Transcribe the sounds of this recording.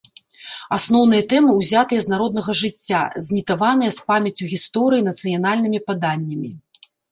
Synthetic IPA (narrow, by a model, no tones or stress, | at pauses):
asnɔwn̪ɨjɐt̪ɛmɨuwzʲat̪ɨjɛznaɾɔd̪̚nɐɣɐʐɨt͡sʲːazʲnʲit̪avanɨjɐspamʲɐt͡sʲuɣʲist̪ɔɾɨjinɐt̪sɨjan̪alʲnɨmʲipad̪anʲːɐmʲi